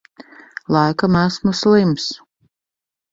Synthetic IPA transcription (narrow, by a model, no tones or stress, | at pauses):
lˠajkamæsmuslˠims